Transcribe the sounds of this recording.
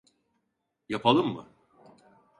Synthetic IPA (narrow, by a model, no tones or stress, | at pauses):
japʰalˠɯmːɯ̰